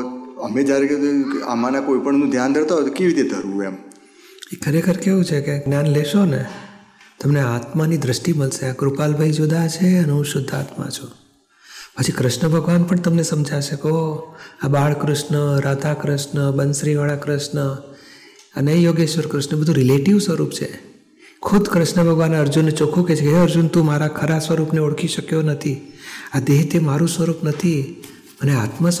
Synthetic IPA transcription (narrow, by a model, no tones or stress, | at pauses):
əmed͡ʒjaɾea̰manakoipəɳnũd̪ʱjand̪ʱəɽt̪aɦot̪okeʋit̪ed̪ʱəɾʋũem | ekʰəɾekʰəɾkeɦũt͡ʃʰekeɡnjanleʃone | t̪əmneat̪manid̪ɾəʃʈiməlʃeakɾupalbʱəid͡ʒod̪at͡ʃʰeəneɦũʃʊd̪ʱːa̰t̪mã̰t͡ʃʰũ | pət͡ʃʰikɾəʃnəbʱəɡʋanpəɳt̪əmnesəmd͡ʒʱaʃəkooabaɭkɾʊʃɳəɾad̪ʱakɾəʃɳəbənsɾiʋaɭakɾɪʃɳə | ənejoɡeʃʋəɾkɾɪʃnəbəd̪ʱũɾɪleʈiʋsʋəɾupt͡ʃʰḛ | kʰʊd̪ʱkɾɪʃɳəbʱəɡʋanəɾd͡ʒunːet͡ʃokʰũket͡ʃʰekeəɾd͡ʒunt̪ũmaɾakʰəɾasʋəɾupneoɽkʰiʃəkjonət̪ʰiad̪eɦt̪emaɾũsʋəɾupnət̪ʰi | mənea̰t̪mə